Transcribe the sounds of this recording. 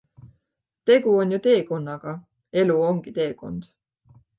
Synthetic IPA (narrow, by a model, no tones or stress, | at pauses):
t̪e̞ɡ̥uo̞njut̪e̞ːko̞nːɑɡ̥ɑ | e̞luo̞ŋɡ̥it̪e̞ːko̞̰nd̪̥